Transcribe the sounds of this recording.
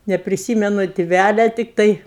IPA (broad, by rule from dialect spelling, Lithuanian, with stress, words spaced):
nʲɛpʲrʲɪˈsʲiːmʲɛnʊ tʲɪˈʋʲælʲɛ tʲɪkˈtɐɪ